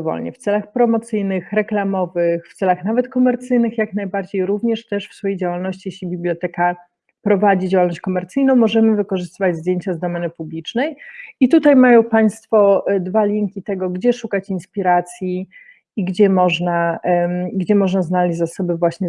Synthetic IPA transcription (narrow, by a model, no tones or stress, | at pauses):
vɔ̰lɲɛ̰ft̪sɛlaxpɾɔmɔt̪sɘjnɘxɾɛklamɔvɘxft̪sɛlaxnavɛt̪kɔmɛɾt̪sɘjnɘxjaknajbaɾd͡ʑejɾuvɲɛʂt̪ɛʂfsfɔjejd͡ʑawalnɔɕt͡ɕijeɕlʲibʲiblʲjɔt̪ɛka | pɾɔvad͡ʑid͡ʑawalnɔɕt͡ɕkɔmɛɾt̪sɘjnɔ̃w̃mɔʐɛmɘvɘkɔʐɘst̪ɘvad͡ʑzd̪jeɲt͡ɕazd̪ɔmɛnɘpublʲit͡ʂnɛjit̪ut̪ajmajɔ̃w̃paj̃st̪fɔd̪valʲiŋkʲit̪ɛɡɔɡd͡ʑɛʂukat͡ɕinspʲiɾat̪sʲjiː | ɡd͡ʑɛmɔʐna | ɡd͡ʑɛmɔʐnaznalʲɛd͡ʑzasɔbɘvwaɕɲɛ